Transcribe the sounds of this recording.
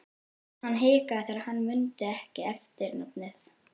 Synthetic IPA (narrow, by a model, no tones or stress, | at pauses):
hanːɦeːjkaðaθaːɾahanːmʏnt̪ɪɛhcɪɛft̪ɪɾnapnɪθ